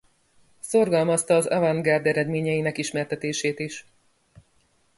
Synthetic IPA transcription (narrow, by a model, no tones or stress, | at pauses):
so̞rɡɒlmɒst̪ɒːzɛ̰vɒŋɡard̪ɛɾɛd̪meːɲɛjinɛkiʃmɛrt̪ɛt̪eːʃeːt̪iʃ